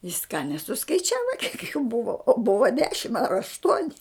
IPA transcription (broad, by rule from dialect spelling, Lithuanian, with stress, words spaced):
jɪs kɑː nʲɛsʊskɐɪˈt͡ʃʲæːʋɐ kʲiɛk juː ˈbʊʋɐ oː ˈbʊʋɐ ˈdʲæːʃʲɪm ɐr ɐʃˈtuɔnʲɪ